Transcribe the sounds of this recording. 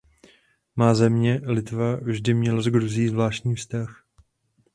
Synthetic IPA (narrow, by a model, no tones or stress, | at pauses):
maːzɛmɲɛlɪt̪vavʒdɪmɲɛlazɡɾuzɪjːzvlaːʃtcɲiːfst̪ax